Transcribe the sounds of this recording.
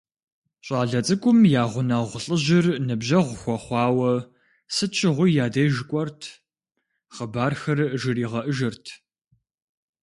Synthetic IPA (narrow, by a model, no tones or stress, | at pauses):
ɕʼɑːɮɐt͡sʼɨkʷʼʊmjaːʁʷʊnɐʁʷʊɬʼəʑɪrnɨbʑɐʁʷʊxʷɔχʷɑːwɐ | sɨt͡ʃʰɪʁʷʊjaːdɐjʒkʷʼɔrtʰ | χəbaːrxɐrʒɨriːʁɐʔəʒɨrtʰ